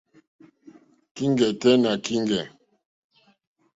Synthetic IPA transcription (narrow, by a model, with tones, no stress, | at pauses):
ki˦ŋɡɛ˨tɛ˦na˨ki˦ŋɡɛ˨